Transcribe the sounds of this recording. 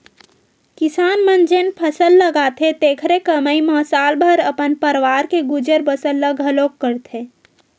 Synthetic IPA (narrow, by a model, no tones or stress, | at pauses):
kisaːnmənd͡ʒenpʰəsəlːəɡat̪ʰet̪ekʰɾekəməiməsalbʱəɾəpənpəɾʋaɾkeɡud͡ʒəɾbəsəlːəɡɦəlokːəɾt̪ʰe